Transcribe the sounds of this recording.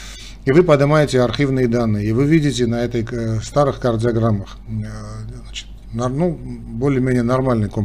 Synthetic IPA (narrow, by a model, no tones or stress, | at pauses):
ivɨpɐd̪ɨmajɪtʲɪɐrxʲivnɨjəd̪anːɨjəivɨvʲidʲɪtʲɪnɐɛt̪əjst̪aɾɨxkɐrd̪ʲɪɐɡɾamːəx | znat͡ɕɪ̥t̪ | nɐnubolʲɪəmʲenʲɪjənɐrmalʲnɨjkom